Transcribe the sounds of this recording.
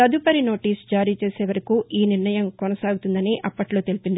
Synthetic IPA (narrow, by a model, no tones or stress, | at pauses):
ɐd̪upɐɾino̞ːʈiːsd͡ʒaːɾiːt͡ʃe̞ːseːʋɐɾɐkuʔiːniɾɳɐjɐmkɔnɐsaːɡut̪und̪ɐniʔɐpːɐʈlo̞ːt̪elipind̪i